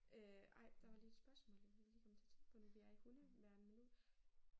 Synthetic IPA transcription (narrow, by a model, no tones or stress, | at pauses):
øɑ̈ɪ̰d̥ɑ̈ʋɑ̈lied̥sb̥ɶɐsmɔ̰̽leʋeliːkʰɒ̽mːət͡sʰe̝ɐt͡sʰeŋɡ̥pʰɔ̽noʋijɑeɡ̥uləʋæɐnəmenu